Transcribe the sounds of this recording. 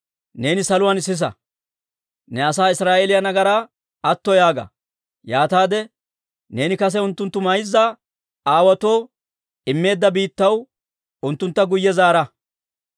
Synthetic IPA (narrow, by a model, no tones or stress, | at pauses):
ne̞ːnɪsɐlʊwanɪsːɪs̬ɐ̰ | nɛɐsaːɪsɾaːʔelɪjɐnɐɡɐɾaː | ɐt̪ːɔjaːɡɐ̰ | jaːt̪aːd̪ɛ | ne̞ːnɪkɐs̬ɛʊnt̪ːʊnt̪ːʊmɐjzːaː | aːwɐt̪o̞ː | ɪmːe̞ːd̪ːɐbiːt̪ːɐw | ʊnt̪ːʊnt̪ːɐɡʊjːɛzaːɾɐ